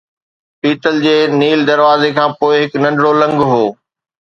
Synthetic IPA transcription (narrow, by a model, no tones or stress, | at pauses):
piːt̪əld͡ʑeːniːld̪ɐɾʋaːzekʰãːpoːɪɦɪknɐ̃ɳɖɽolɐ̃ŋɡɦoː